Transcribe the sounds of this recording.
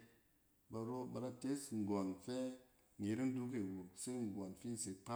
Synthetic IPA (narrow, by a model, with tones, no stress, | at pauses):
ba˧ɾo˦ba˧ɾa˧te˦sŋ̩˨ɡɔ˨nfe˦ | ŋ̩e˨ɾi˦n̩˦du˦k̬e˨wu˨kse˦ŋ̩˨ɡɔ˨nfi˦n˨se˨k͡pa˦